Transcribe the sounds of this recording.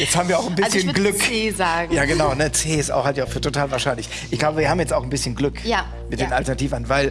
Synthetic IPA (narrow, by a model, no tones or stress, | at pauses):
jɛt͡sthaːbm̩viːɐaʊxnbɪsənɡlʏkːzaːɡjaːɡənaʊnət͡seːɪsta̰ʊxhaltjaʊfyːɐtʰotʰaːlvaɐʃaɪnlɪç | ʔɪçɡ̥laʊbəviɐhaːmjɛt͡staʊxn̩bɪsçənɡlʏka | mɪt̚d̥eːnaltɛɐnatʰiːvɐnvaɪl